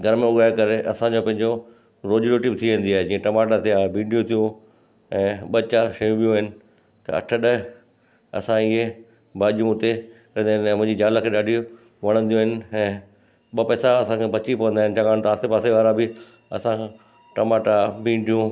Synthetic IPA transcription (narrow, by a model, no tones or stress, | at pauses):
ɡʱɐɾmẽʊɡaːekɐɾeʔɐsãɲd͡ʑopɐ̃ɦɪ̃ɲd͡ʑo | ɾoːd͡ʑɾoʈibɪt̪ʰiʋẽːn̆d̪iaːɦed͡ʑiːẽʈɐmaːʈat̪ʰiaːɦebʱĩːɳɖijũt̪ʰijũ | ɛ̃ːɓɐt͡ɕaʃɐjũbijũɦɪnɪ̆ | t̪ɐ̰ɐ̰ʈʰəɗɐɦ | ɐ̰sãɪɦe | bʱaːʄijũɦʊt̪ekɐ̃nd̪aːɪnɛ̃ːmʊ̃ɦɪ̃ɲd͡ʑid͡ʑaːlakʰeːɗaːɖʱijũ | ʋɐɽ̃ə̃nd̪ijũːɦɪnɪ̆ɛ̃ː | ɓɐpɛːsaɐsãkʰebɐt͡ɕipɐʋə̃nd̪aːɦɪnɪ̆t͡ɕɐɡaːɽ̃t̪aːsepaːseʋaːɾabɪ | ɐ̰sã | ʈɐmaːʈabʱĩːɳɖʱijũ